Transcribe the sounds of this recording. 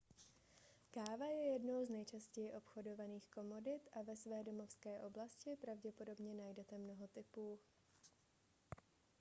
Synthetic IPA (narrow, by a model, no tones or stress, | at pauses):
kaːvajɛjɛdno̞wznɛjt͡ʃascɛjɪʔo̞pxo̞do̞vaniːxko̞mo̞dɪt̪ʔavɛsvɛːdo̞mo̞fskɛːʔo̞blascɪpɾavɟɛpo̞do̞bɲɛnajdɛt̪ɛmno̞ɦo̞t̪ɪpuː